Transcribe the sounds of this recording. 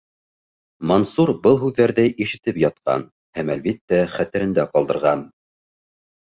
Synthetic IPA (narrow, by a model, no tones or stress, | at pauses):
monsuɾbɤlˠɦʉðːæɾðæjʔiʃɘ̆t̪ɘpjɑt̪̚qɑ̰n | hæmælβit̪ːæχæt̪ɘ̆ɾɘ̆nd̪æqɑlˠd̪ɤ̆ɾʁɑn